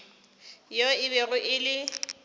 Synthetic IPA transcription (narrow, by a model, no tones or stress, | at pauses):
joɪβɛɣʊʔɪlɪ